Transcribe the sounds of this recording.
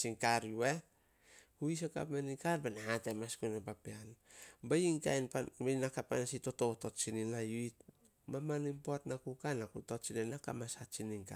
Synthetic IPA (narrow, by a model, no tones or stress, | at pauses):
siŋkaɾjue | huis̬eka̰pmanikaɾbanahatemaskunapapeanbaiŋka̰jnpabeinakapanasito̞toto̞tt͡ʃininajuit | mamanimpoatnakukanakutott͡ʃininakamasat͡ʃiniŋka̰